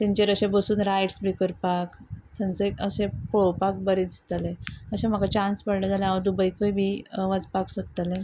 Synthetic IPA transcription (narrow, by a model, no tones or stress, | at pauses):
t̪ẽɲt͡ɕeɾəɕẽbəsuːnɾajʈsbikəɾpaksənt͡səekəɕẽpɭopak̚bəɾid̪ist̪aleəɕẽm̤akat͡ɕãnspəɽled͡zalẽaʋəd̪ubəjkəjbʱiʋad͡zpaksot̚t̪alẽ